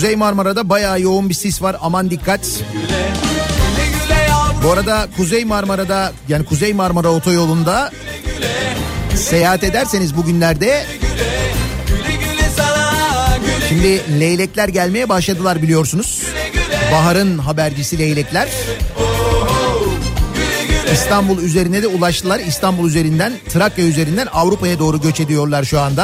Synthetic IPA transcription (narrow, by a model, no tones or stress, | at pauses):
kuzejmaɾmaɾad̪abajaːjo̞unbisisvaɾamand̪ikʰːat̪ | buaɾad̪akʰuzejmaɾmaɾad̪ajaːnikʰuzejmaɾmaɾao̞t̪ʰo̞jo̞lˠund̪a | se̞jaːɦat̪e̞d̪æɾse̞nizbuɟynlʲæɾd̪ɛ | ʃimd̪ɪlʲejlʲɛclʲæɾɟælʲme̞jɛbaʃlˠad̪ɯlˠaɾbilʲijo̞ɾsunuz̥ | baɦaɾɯnɦabæɾd͡ʒisilʲejlʲɛclʲæɾ̥ | ist̪ʰanbulˠyze̞ɾinɛd̪ɛulˠaʃt̪ʰɯlˠaɾist̪ʰanbulˠyze̞ɾind̪ænt̪ʰɯɾakjayze̞ɾind̪ænavɾupʰajad̪o̞ːɾuɟø̞t͡ʃe̞d̪ijo̞ɾlˠaɾʃuand̪a